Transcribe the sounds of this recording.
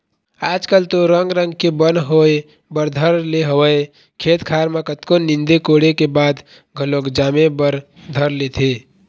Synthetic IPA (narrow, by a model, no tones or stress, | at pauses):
aːd͡ʒkəlt̪oɾəŋɡɾə̃ŋɡkebənɦoe | bəɾd̪ʱəɾleɦəwəe | kʰeːt̪kʰaːɾmekət̪konɪ̃nd̪ekoɽekebaːd̪ | ɡʱəlokd͡ʒaːmebəɾ | d̪ʱəɾlet̪ʰe